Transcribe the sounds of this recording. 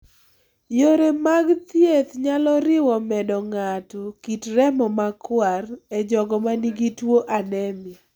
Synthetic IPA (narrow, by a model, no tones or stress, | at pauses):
joɾemaɡt̪jet̪ɲalɔɾɪwɔmɛdɔŋatɔkitɾɛmɔmakwarɛd͡ʒɔɡɔmaniɡitwoʔanɛmi